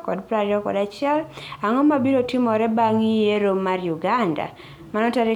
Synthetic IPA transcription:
kɔdpɾaɾɔkɔ̰dat͡ʃɪɛlaŋɔmabiɾotimɔɾɛbaŋijeɾomːaɾjuɡanda̰ | manɔtaɾi

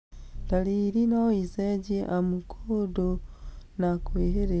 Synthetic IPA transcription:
taliɾinaoizeɟeʔamukʰodonakweːɦeɾe

